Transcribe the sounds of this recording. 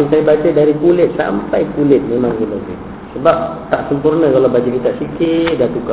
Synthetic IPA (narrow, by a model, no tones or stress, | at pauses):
ŋsajabat͡ʃədaɾikulɪt̪̚sa̰mpajkulɪt̪̚memaŋkulakḭ | səbap̚t̪aʔsəmpurnəkalawbad͡ʒukit̪aʔsikɪt̪̚ɡat̪uka